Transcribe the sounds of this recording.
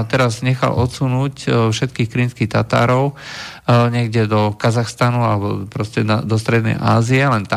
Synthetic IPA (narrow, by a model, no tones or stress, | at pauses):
t̪ɛɾazɲɛxa̰lʔɔ̰t̪sunuːcfʃɛt̪̚kiːxkɾinskixt̪at̪a̰ːɾɔʊ | ɲɛɡɟɛd̪ɔkazaxst̪anualɛbɔpɾɔscɛnad̪ɔst̪ɾɛd̪nɛ̰jʔaːziɛlɛnt̪a